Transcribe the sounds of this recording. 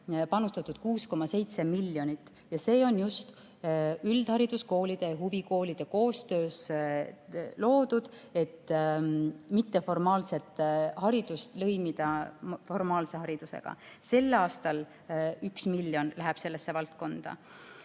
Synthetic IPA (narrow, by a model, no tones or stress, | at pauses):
pɑnust̪ɑt̪ːˑud̪̥kuːsko̞mɑse̞jt̪se̞milːjo̞nit̪ːˑ | jɑse̞ːo̞njust̪ | yld̪̥hɑɾid̪̥usko̞ːlid̪̥e̞ɦuviko̞ːlid̪̥e̞ko̞ːst̪øːs | lo̞ːd̪̥ud̪̥e̞t̪ː | mit̪ːe̞fo̞rmɑːlse̞t̪ːhɑɾid̪̥ust̪lɤjmid̪̥ɑfo̞rmɑːlse̞hɑɾid̪̥use̞̰ɡ̥ɑ̰ | se̞lːɑːst̪ɑl | yksmilːjo̞nlæɦɛb̥se̞lːesːe̞vɑlt̪̚ko̞nd̪̥ɑ̰